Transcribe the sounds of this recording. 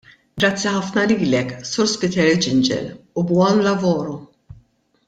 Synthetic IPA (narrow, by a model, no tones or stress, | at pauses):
ɡɾɐt͡sːiħɐfnɐliːlɛkːsʊɾspɪt̪ɛɾd͡ʒɪnd͡ʒɛ̰lubwɔnlɐvɔːɾɔ